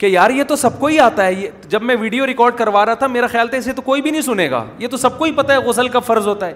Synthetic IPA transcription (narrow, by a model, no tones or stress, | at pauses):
kejaːɾjet̪osɐb̚koiaːt̪aɦɛje | d͡ʒɐbmɛ̃ʋiːɖijoɾɪkɔːɾɖkɐɾʋaːɾaat̪ʰameːɾaxjaːlt̪ʰɛɪs̬et̪okoːibʱinɐɦĩsʊneːɡa̰ːjet̪osɐb̚koipɐt̪aɦɛɣʊsəlkafɐɾzɦoːt̪aɦɛː